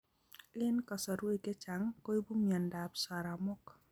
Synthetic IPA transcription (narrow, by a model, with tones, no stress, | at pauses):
lɪ˦nkɔ˨sɔ˨ɾwe˦kɛ˦t͡ʃa˨ŋko˦i˦bu˦mjɔ˨nda˨psa˨ɾa˨mʊ˦k